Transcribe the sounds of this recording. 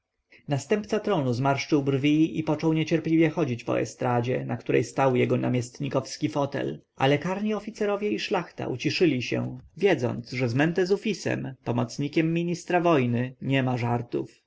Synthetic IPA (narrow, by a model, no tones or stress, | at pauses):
nast̪ɛmpt̪sat̪ɾɔnuzmaɾʂt͡ʂɘwbrvʲiḭpɔt͡ʂɔwɲet͡ɕɛɾplʲivjɛxɔd͡ʑit͡ɕpɔ̰ɛ̰st̪ɾad͡ʑɛnakt̪uɾɛ̰jst̪awjɛɡɔna̰mʲjɛst̪ɲikɔfskʲifɔt̪ɛ̰lʔa̰lɛkaɾɲiɔfʲit̪sɛɾɔvʲjɛiʂlaxt̪a̰ʔṵt͡ɕiʂɘlʲiɕɛ̰vʲjɛd̪zɔ̰nt̪sʐɛzmɛnt̪ɛzufʲisɛ̰mpɔmɔt̪sɲikʲɛmːʲiɲist̪ɾavɔjnɘɲɛmaʐaɾt̪ṵf